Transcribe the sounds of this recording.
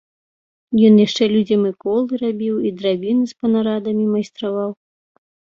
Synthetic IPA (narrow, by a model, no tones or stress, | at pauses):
jɔnjaʂt͡ʂɛlʲud͡zʲɐmɨkɔlˠɨɾabʲiwid̪ɾavʲinɨspɐnaɾad̪ɐmʲimɐjst̪ɾavaw